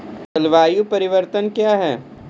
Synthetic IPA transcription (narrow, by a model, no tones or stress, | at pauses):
tɐlʋaːjupɐɾɪʋəɾt̪ənkjaːɦɛː